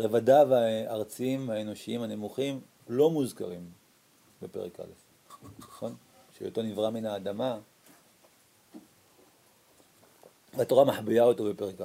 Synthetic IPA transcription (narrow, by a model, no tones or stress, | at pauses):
ʁevadaveaaʁt͡siimaeno̞ʃiimhanemuχim | lo̞muzka̰ʁim | be̞pe̞̰ʁḛka̰lef | χon | ʃḛo̰tonivʁaminhaːd̪ama | veato̞ʁamaħbijaotobe̞peʁeka